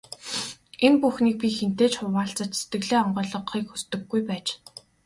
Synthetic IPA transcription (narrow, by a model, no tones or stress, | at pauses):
enpuxniːk̚pʲixen̥t̪eːt͡ɕχʊwaːɬt͡sə̆t͡ɕse̥t̪ɡɘ̆ɮeːɔɴɢœːɮɞ̆qχiːkxust̪ɘ̆ɡːujpæːt͡ɕ